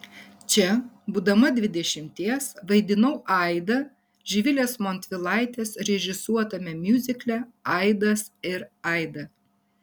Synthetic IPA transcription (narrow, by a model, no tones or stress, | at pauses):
t͡ʃʲɛbuːd̪ɐmɐd̪ʲʋʲɪd̪ʲɛʃʲɪmʲt̪ʲiɛsʋɐɪd̪ʲɪnɐʊʔɐɪd̪ɐ | ʒʲɪʋʲɪlʲeːsmɔnʲt̪ʲʋʲɪlˠɐˑɪt̪ʲeːsɾʲɛʒʲɪsuɔt̪ɐmʲɛmʲjʊzʲɪklʲɛɐɪd̪ɐsɪɾɐɪd̪ɐ